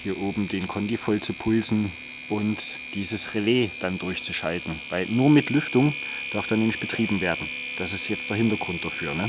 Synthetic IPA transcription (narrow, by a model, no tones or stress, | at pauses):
hiːɐʔoːbm̩deːnkʰɔndifɔlt͡supʰʊlzn̩ | ʔʊnt | d̥iːzəsʁeleːd̥andʊɐçt͡suʃaltn̩vaɪlnuːɐmɪtlʏftʊŋd̥aɐfd̥aːnɛːmlɪçb̥ətʁ̥iːbm̩veːɐdn̩ | d̥asɪstjɛt͡std̥eːɐɦɪntɐɡ̥ʁʊnt̚d̥afyːɐnə